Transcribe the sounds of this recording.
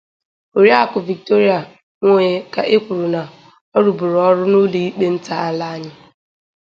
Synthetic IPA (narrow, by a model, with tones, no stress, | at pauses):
o˨ɾja˦˨kʊ˨vi˨k̚to˦ɾi˦a˨ | ŋʷo˦e˨ka˨ʔɪ˦kʷʊ˨ɾʊ˨na˨ | ɔ˦ɾu˨bʊ˨ɾɔ˦ɾʊ˦no˦li˦i˦k͡pe˦n̩˦ta˦a˨la˦a˦ɲɪ˦